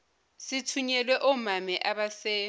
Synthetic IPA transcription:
sɪtʰuɲɛlwɛʔʊmamɛʔaβasɛ

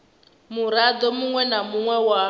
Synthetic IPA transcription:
muɾad̪ɔmuŋwɛnamuŋwɛwa

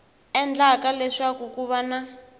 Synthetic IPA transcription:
ɛnd͡ɮakalɛʂakukuβana

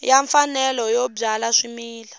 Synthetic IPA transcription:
jaɱfanɛlɔjɔb͡ʐalaʂimiːla

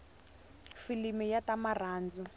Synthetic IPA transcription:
filimijatamaraːnd͡zu

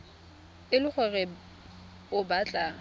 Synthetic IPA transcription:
ɪlʊχɛrɪ | ʊbat͡ɬʼa

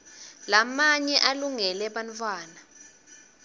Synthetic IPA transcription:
lamaɲɛʔaluŋɛlɛɓantʰʼwaːna

